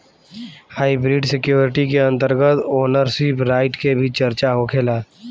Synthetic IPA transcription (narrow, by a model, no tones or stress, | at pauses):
haːɪbɾiːɖsɪkjoːɾɪʈikeə̃nt̪əɾɡət̪oːnəɾsiːpɾaːɪʈkebʱit͡ʃəɾt͡ʃaɦokʰeːlaː